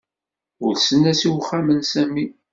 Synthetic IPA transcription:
ʊɾsənːæsiwχːamənsæmːi

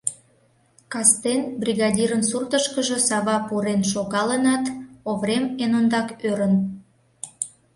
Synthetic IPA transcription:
kɑst̪enbrʲiɣɑd̪ʲiɾənsurt̪əʃkəʒə̆sɑβɑpuɾenʃoɣɑlənɑt̪oβɾemenond̪ɑkøɾən

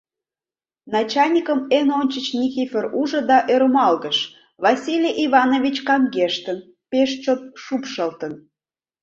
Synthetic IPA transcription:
nɑt͡ɕɑlʲnʲikəmenonʲt͡ɕət͡ɕnʲikʲifʲeruʒə̆d̪ɑʔeɾomɑlɣəʃ | vɑsʲilʲeʔivɑnovʲit͡ɕkɑŋɡeʃt̪ən | peʃt͡ɕot̪̚ʃupʃəlt̪ən

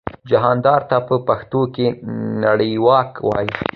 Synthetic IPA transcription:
d͡ʒaɦɑnd̪ɑɾt̪apəpaxt̪okenaɽəjwɑkwɑ̰ji

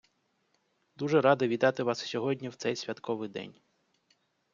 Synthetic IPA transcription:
d̪uʒɛɾɑd̪ɪʋʲid̪ɑt̪ɪʋɑssʲɔɦɔdʲnʲiwt̪sɛjsʲʋʲɐt̪kʰɔʋɪjd̪ɛ̰nʲ

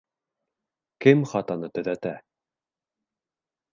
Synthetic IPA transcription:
kɘmχɑt̪ɑnɤt̪ɵ̆ðæt̪æ

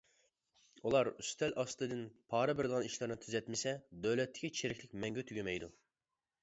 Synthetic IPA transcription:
ulˠɑɾyst̪ʰɛlʔɑst̪ɨd̪ɪnpʰɑːɾɨbɪɾɪd̪əʁɑniʃlˠɨɾnɨt̪ʰyzɛt̪mɪsɛd̪øwlɛt̪ːɪ̥kʲʰit͡ʃʰeɾɪkʲlɪkʲmɛŋɡʲɛt̪ʰyɡʲemɛjd̪u

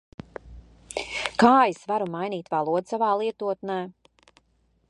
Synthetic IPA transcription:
kaːjisvaɾumajniːt̪valˠuɔd̪savaːlˠiɛt̪uɔt̪nɛː

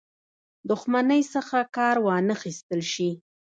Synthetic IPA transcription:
d̪ʊxmanəjsəxakɑɾwɑnəxist̪əlʃi

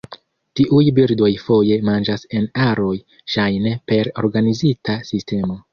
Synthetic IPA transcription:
tiʔujbiɾdo̞jfo̞je̞mand͡ʒase̞naɾo̞j | ʃajnepe̞ɾo̞̰ɾɡanizitasiste̞mo̞

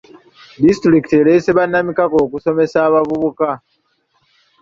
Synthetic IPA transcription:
distɾiki̥te̞ɾe̞seβanːamikako̞ːkuso̞me̞saːβavuβuka

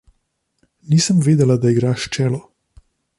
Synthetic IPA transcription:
niːsəmveːd̪ɛlad̪aiɡɾaːʃt͡ʃɛːlɔ

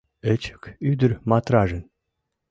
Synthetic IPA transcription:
ət͡ɕə̥kyd̪ə̆rmɑt̪ɾɑʒə̆n

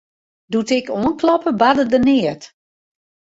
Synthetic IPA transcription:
dutɪkoənklɔpəbadədənɪət

